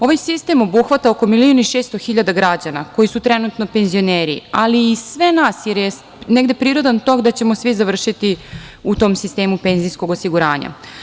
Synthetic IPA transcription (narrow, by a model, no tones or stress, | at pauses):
o̞ʋajsist̪e̞mo̞buxʋat̪aoko̞milioniʃeːst̪o̞xiʎad̪aɡɾad͡ʑana̰ko̞jisut̪ɾe̞nut̪no̞pe̞nzio̞neːɾḭaliːsʋe̞nasjeɾje | ne̞ɡd̪e̞pɾiːɾo̞d̪ant̪o̞kd̪at͡ɕe̞mo̞sʋizaʋr̩ʃit̪iut̪o̞ːmsist̪e̞ːmupe̞nzijsko̞ɡo̞siɡuɾaːɲa̰